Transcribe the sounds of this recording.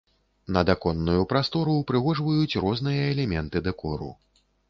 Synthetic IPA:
nɐd̪akɔnːujupɾast̪ɔɾupɾɨɣɔʐvɐjut͡sʲrɔznɨjɐɛlʲɛmʲɛnt̪ɨd̪ɐkɔɾṵ

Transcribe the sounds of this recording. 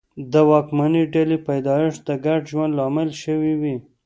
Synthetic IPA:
d̪əwɑkmaniɖelipajd̪ɑjɪʂd̪əɡaɖʒwand̪lɑmɪlʃəwiwi

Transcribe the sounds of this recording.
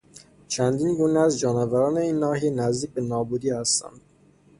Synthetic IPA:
t͡ʃʰænd̪iːnɡuːneæzd͡ʒɒːnɑvæɾɒːne̞iːnːɒːɦiːnæzd̪iːc̚be̞nɒːbuːd̪iːhæst̪æ̰nd̪̥

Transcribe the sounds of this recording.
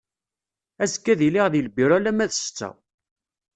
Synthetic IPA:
æskːæðiliʁðiləbiɾˤælæmæðst͡sːæ̰

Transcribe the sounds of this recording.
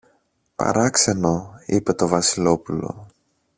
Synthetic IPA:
pɐ̰ɾɐkse̞no̞ipe̞t̪o̞vɐsilo̞pulo̞̰

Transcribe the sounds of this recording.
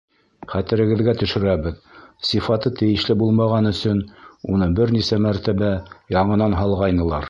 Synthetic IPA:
χæt̪ɘ̆ɾɘ̆ɡɘ̆ðɡæt̪ɵ̆ʃɵ̆ɾæβɘðsifɑt̪ɤt̪ɘ̆jɘ̆ʃlɘbulˠmɑʁɑnɵ̆sɵnunɤbɘɾnisæmæɾt̪æβæjɑɴɤ̆nɑnɦɑlˠʁɑjnɤ̆lˠɑɾ

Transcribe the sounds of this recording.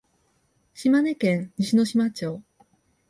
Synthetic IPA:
ɕimane̞kẽŋɲiɕino̞ɕimat͡ɕoː

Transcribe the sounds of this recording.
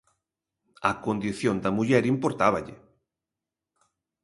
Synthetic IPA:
ɐkond̪iθjond̪ɐmuʎɛɾimpoɾt̪aβɐʎɪ̰

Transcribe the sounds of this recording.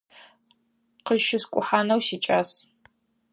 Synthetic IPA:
qəʃɪskʷʼʊħaːnɐwsiːt͡ʃʼaːs

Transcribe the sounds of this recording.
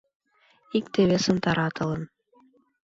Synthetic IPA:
ikt̪ɘ̆βɘsɤ̆nt̪ɑɾɑt̪ʰɤ̆lˠɤ̆n

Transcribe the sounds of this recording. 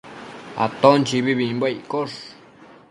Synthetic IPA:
a̰t̪ont͡ʃiβiβimbojkoʂ

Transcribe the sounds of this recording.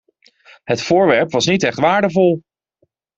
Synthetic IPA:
ɦətfʊːɹʋɛɹpʋɑsnitɛχtʋaːɹdəvɔlˠ

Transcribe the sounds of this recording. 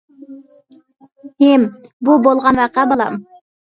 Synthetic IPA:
embubolˠʁɑnʋɑqɑbɑlˠɑ̰m

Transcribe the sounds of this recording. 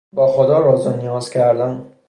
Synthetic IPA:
bɒːxod̪ɒːɾɒːzonijɒːz̥cʲʰæɾd̪æm

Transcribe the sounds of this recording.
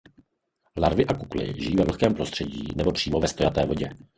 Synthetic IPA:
laɾvɪʔakuklɪ̰ʒɪjiːvɛvl̩xkɛːmpɾo̞st̪r̥ɛɟḭːnɛbo̞pr̥iːmo̞vɛst̪o̞jat̪ɛːvo̞ɟɛ

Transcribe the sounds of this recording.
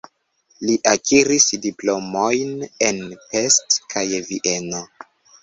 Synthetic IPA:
liʔakiɾisdiplo̞mo̞jne̞npe̞stkʰajviʔe̞no̞

